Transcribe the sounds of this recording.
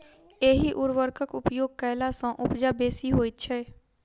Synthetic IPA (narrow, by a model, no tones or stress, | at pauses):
eːɦiʔʊɾʋəɾkʰəkʊpjoːɡ̚kɛːlasãʔʊpd͡ʒaːbeːsiɦoːit̪̚t͡ʃʰɛː